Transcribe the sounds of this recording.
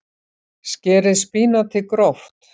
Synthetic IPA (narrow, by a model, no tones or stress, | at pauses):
scɛːɾɪðspiːnat̪ʰɪkɾɔft̪